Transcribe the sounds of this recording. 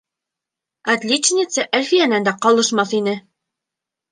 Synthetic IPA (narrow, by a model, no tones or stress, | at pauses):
æt̪lʲit͡ɕnʲɪt̪səʔælfijænænd̪æqɑlˠɤ̆ʃmɑθinɘ